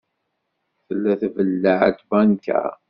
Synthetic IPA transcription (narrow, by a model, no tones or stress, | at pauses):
θəlːæθvəlːəʕə̰t̪bænkæ̰